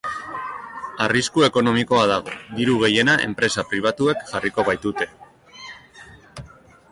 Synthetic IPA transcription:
ariskue̞ko̞no̞miko̞að̞aɣ̞o̞̰d̪iɾuɣ̞e̞je̞naʔe̞̰mpɾe̞sapɾiβ̞at̪ue̞kʝariko̞βajt̪ut̪e̞

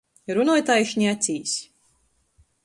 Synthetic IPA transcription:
ɾunuɔjt̪aːjʃɲʲiat̪sʲiːsʲ

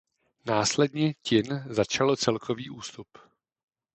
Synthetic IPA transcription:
naːslɛdɲɛcɪnzat͡ʃalot͡sɛlkʰoviːʔuːst̪up

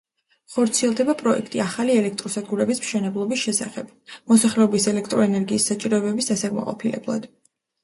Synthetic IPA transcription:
χɔɾt̪sʰiɛlˠd̪ɛbapʼɾɔɛ̰kʰt̪ʼiaχaliɛlɛk̚ʰt̪ʼɾɔsad̪̚ɡuɾɛbismʃɛnɛblˠɔbisʃɛsa̰χɛb̥̚ | mɔsaχlɛɔbisɛlɛkʰt̪ʼɾɔɛnɛɾɡiːsːat͡ʃʼiɾɔɛbɛbisd̪asaɡma̰qʼɔ̰pʰilɛ̰blˠa̰d̪̥

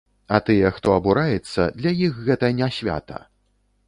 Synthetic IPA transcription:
ɐt̪ɨjɛxt̪ɔɐbuɾajɛt̪sːɐ̰d̪lʲajixɣɛt̪ɐnʲasʲvʲa̰t̪ɐ̰

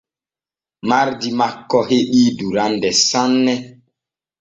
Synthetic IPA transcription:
maɾdimakːɔheɗiːduɾandɛsanːɛ

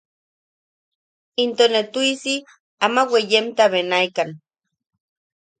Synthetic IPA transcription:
int̪onet̪uisi | amawejemt̪aβenajkan

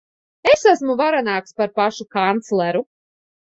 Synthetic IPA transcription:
esæsmuvaɾanaːkspaɾpaʃukant̪slˠɛɾu

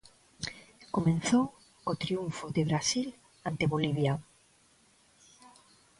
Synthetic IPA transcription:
komẽn̟θow | kot̪ɾiuɱfodeβɾasil | ant̪eβoliβja

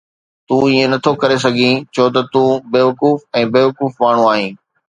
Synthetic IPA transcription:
t̪ũiːẽnɐt̪ʰokɐɾes̬ɐɡʱĩt͡ɕʰot̪̬ɐt̪ũːbeːʋɐkuːfɛ̃ːbeːʋɐkuːfmaːɳ̤ũaːɦĩː

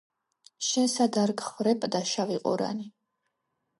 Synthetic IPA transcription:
ʃɛnsad̪aɾɡχvɾɛpʼd̪aʃaviqʼṵɾa̰ni

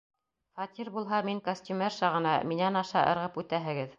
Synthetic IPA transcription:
χɑt̪ʲiɾbulˠɦɑmiŋkosʲtʲymʲerʃɑʁɤ̆nɑminænɑʃɑʔɤ̰̆ɾʁɤpʉt̪æɦɘ̆ɡɘð

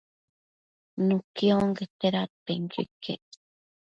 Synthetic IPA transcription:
nukioŋɡet̪eɾat̪eŋɡḛkḛ

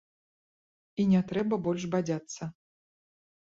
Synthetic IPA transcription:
inʲɛt̪ɾɛbɐbɔlʲʂbad͡zʲat̪sːɐ

